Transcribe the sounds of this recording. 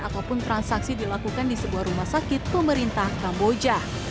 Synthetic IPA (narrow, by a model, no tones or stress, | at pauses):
at̪awpʊnt̪ɾansaksidilakukandisəbuahɾumahsakɪt̪̚pəməɾint̪ahkambod͡ʒa